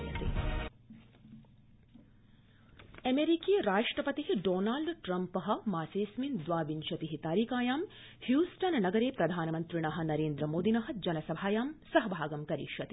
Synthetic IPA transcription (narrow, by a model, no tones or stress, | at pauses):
ɐt̪ḭ | ɐmeɾikijɐɾaːʂʈɾɐpɐt̪iɦiɖoːnaːlɖʈɾɐmpɐɦɐ̆maːseːsmind̪ʋaːʋinʃɐt̪iɦit̪aːɾiːkaːjaːm | hjuːsʈɐnnɐɡɐɾeːpɾɐd̪ʱaːnɐmɐnt̪ɾiɳ̃ɐɦɐ̆nɐɾeːnd̪ɾɐmoːd̪inɐɦɐ̆d͡ʒɐnɐsɐbʱaːjaːmsɐɦɐbʱaːɡɐmkɐɾḭːʂɐt̪i̥